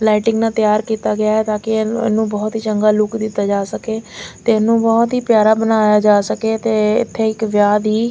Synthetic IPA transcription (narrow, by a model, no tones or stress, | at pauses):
laːɪʈɪ̃ŋɡnãːt̪jaːɾkiːt̪aːɡɪjaːɦɛːt̪aːkɪ̰nũːbɔːt̪ɦiːt͡ʃəŋɡaːlʊkd̪ɪt̪ːaːd͡ʒaːsəkeːt̪eːnũːbɔːt̪ɦiːpjaːɾaːbənaːjaːd͡ʒaːsəkeːt̪eːɪ̰t̪ʰːeːɪkʋjaːd̪iː